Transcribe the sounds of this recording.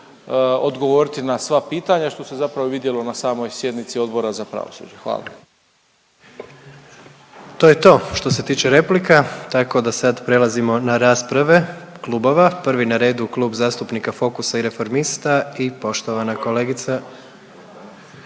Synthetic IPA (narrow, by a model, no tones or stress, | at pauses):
od̪ɡoʋo̞ɾit̪inasʋapiːt̪aɲaʃt̪o̞sezapɾaʋoʋid̪je̞lo̞nasaːmo̞jsje̞d̪nit̪sio̞d̪bo̞ɾazapɾa̰ʋo̰sṵd͡ʑexʋa̰ːlˠa̰ | t̪ojet̪o̞ːʃt̪o̞se̞t̪iːt͡ʃe̞ɾe̞plikat̪ako̞d̪asad̪pɾe̞lˠazimo̞naɾaːspɾaʋe̞klˠubo̞ʋapr̩ʋinaɾe̞ːd̪uklˠuːbzaːst̪upnikafo̞kusaiɾe̞fo̞ɾmist̪aipo̞ʃt̪o̞ʋanako̞leɡit̪sa